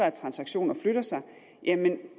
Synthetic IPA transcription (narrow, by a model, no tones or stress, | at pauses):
ɐæt͡sʰʁɑ̈nsɑ̈ɡ̥ɕo̝̰ːnɐfløɾ̥ɐsɑ̈ɪ | jʔæmen